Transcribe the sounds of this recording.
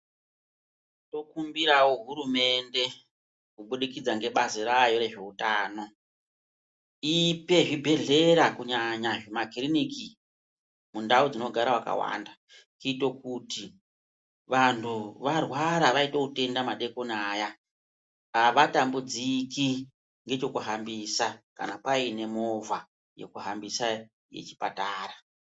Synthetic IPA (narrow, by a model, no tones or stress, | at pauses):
to̞kumbiɾaoɦuɾume̞nde̞ | kuɓuɗikid͡zaŋɡe̞ɓasoɾajo̞ɾe̞ʐe̞utaːno̞ | ipe̞ʐibʱe̞ɮe̞ɾakuɲaɲaʐemakiriniki | mundaud͡zino̞ɡʱaɾawaka̰wa̰nda | kito̞kuti | ʋantʰuʋarwaɾaʋaito̞kute̞ndamaɗe̞konaːja | aʋatambud͡ziki | ŋɡe̞t͡ʃo̞kuɦambisaka̰napaine̞mo̞va | je̞̰kuɦambisa | je̞̰t͡ʃi̥pataːra